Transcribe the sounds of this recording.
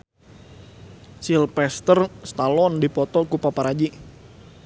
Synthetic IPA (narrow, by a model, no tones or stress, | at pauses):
silpɛst̪ərst̪alɔndipɔt̪ɔkupapaɾad͡ʒi